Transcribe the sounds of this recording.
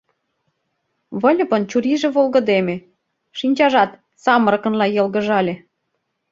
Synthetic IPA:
βɤ̆l̆ʲpɤ̆nt͡ɕuɾiʒĕβolɣɤ̆d̪eme | ʃinʲt͡ɕɑʒɑt̪ | sɑmɤ̆ɾɤ̆kɤ̆nlɑjɤ̆lɣə̆ʒɑlʲĕ

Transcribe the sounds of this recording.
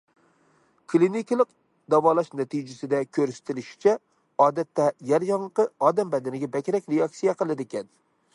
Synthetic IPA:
kʰlˠinɪkʲlˠɨq | d̪avɒlˠaʃnat̪ʰɪd͡ʒasɪd̪akʲʰɵɾsɪ̥t̪ʰɪlɪʃɪ̥t͡ʃʰa | ɒːd̪at̪ʰːajaɾjɒɴqɨɒd̪ambad̪ɪnɪɡʲabakʲɾakʲɾeɑk̚t̪ijaqɨlˠɪd̪ɪkʲʰɛn

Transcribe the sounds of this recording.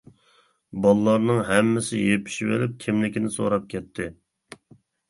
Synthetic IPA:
bɑlˠːɑɾnɨŋɦɛmːɪsɪjepʰɪ̥ʃivḛlɪp̚kʲʰɪmlɪkʲinɪso̰ɾɑp̚kʲʰɛt̪ʰːɪ

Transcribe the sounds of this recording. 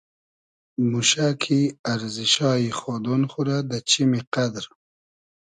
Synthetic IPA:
muʃakʰiaɾziʃɑːixɔːd̪onxuɾad̪at͡ʃimiqad̪ɾ

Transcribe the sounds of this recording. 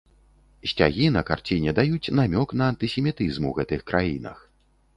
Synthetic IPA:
sʲt͡sʲa̰ɣʲinɐka̰rt͡sʲinʲɛd̪ajut͡sʲnamʲɔknɐːnt̪ɨsʲɛmʲit̪ɨzmṵɣɛt̪ɨxkɾajinɐ̰x

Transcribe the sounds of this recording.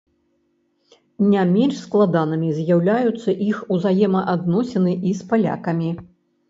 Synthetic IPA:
nʲamʲɛnʂsklˠad̪anɨmʲizʲjawlʲajut̪sːɐʔixuzajɛmɐʔad̪nɔsʲɛnɨʔispalʲa̰kɐmʲi

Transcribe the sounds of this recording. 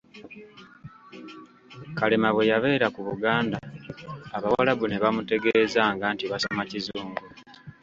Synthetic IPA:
kalemaβwe̞jaβe̞ːɾakuβuɡaːndaː | βawalaβuneβamute̞ɡe̞zaŋɡaːntiβasomacizuːŋɡu

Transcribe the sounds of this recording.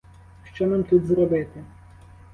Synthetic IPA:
ʃt͡ʃɔnamt̪ud̪zɾɔbɪt̪ɪ

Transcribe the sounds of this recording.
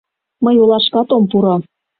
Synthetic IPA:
məjolɑʃkɑt̪ompuɾɑ

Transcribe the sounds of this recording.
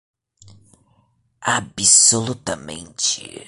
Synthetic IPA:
abisolut̪ɐmḛ̃nt͡ʃɪ̰

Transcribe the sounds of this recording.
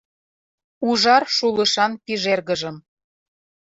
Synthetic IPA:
uʒɑrʃuləʃɑnpiʒerɣəʒə̆m

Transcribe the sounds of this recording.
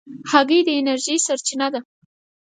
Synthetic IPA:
haɣəjd̪əenaɾʒijsaɾt͡ʃinad̪a

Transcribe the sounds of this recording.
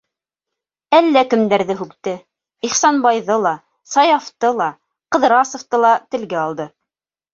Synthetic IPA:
ælːækɘ̆md̪æɾðɘɦʉkt̪ɘ | iχsɑnbɑjðɤlˠɑ | sɑjɑft̪ɤlˠɑ | qɤ̆ðɾɑsŏft̪ɤlˠɑt̪ɘ̆lɡæɑlˠd̪ɤ

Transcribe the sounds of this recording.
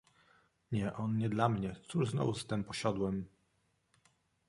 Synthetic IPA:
ɲɛʔɔnɲɛd̪lamɲɛt̪suʐznɔ̰vust̪ɛmpɔɕad̪wɛm

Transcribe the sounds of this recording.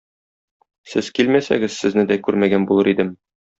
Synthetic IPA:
sɘzkilmæsæ̰ɡɘzsɘ̆znɘd̪ækʉɾmæɡænbulˠɤɾid̪ɘm

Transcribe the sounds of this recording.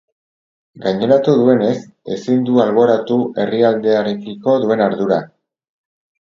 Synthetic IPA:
ɡajɲe̞ɾat̪uðue̞ne̞s | e̞̰sind̪ualβo̞ɾat̪uʔe̞riald̪e̞aɾe̞kiko̞ðue̞naɾðuɾa

